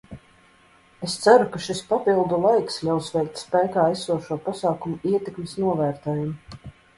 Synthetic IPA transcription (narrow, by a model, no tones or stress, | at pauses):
est̪saɾukaʃispapilˠd̪ulˠajkslʲawsvɛjk̚t̪ʲspæjkaːæsuɔʃuɔpasaːkumuiɛt̪ekmesnuɔvæːɾt̪ɛːjumu